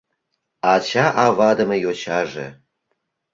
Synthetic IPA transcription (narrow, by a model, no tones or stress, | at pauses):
ɑt͡ɕɑʔɑvɑd̪ə̆mejot͡ɕɑʒḛ